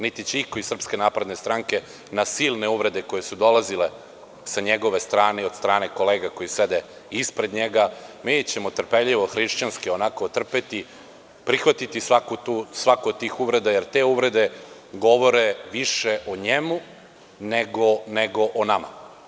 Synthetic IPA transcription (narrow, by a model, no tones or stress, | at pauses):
nit̪it͡ɕeiko̞isr̩pske̞naːpɾed̪ne̞st̪ɾaŋke̞ | nasiːlˠneuʋɾe̞d̪e̞ko̞je̞sud̪o̞lazile | saɲeɡo̞ʋe̞st̪ɾaːneod̪st̪ɾaːne̞ko̞leːɡako̞jised̪e | ispɾe̞d̪ɲeɡamit͡ɕe̞mot̪r̩peʎiʋoxɾiʃt͡ɕanskio̞nakot̪r̩pet̪i | pɾixʋat̪it̪isʋakut̪usʋakoːd̪̚t̪iːxuʋɾe̞d̪ajeɾt̪e̞ːuʋɾe̞d̪e̞ | ɡo̞ʋo̞ɾeʋiʃeʔoɲemu | neɡoneɡo̞ʔonama̰